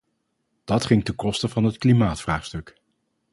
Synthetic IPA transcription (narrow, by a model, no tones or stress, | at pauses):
d̥ɑtχɪŋtəkɔstəvɑnɦətklimaːtfraːχstɵk